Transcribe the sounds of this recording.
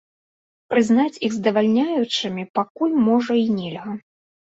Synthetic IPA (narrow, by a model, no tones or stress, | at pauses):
pɾɨznat͡sʲiɣzd̪ɐvalʲnʲajut͡ʂɨmʲipakulʲmɔʐɐinʲɛlʲɣɐ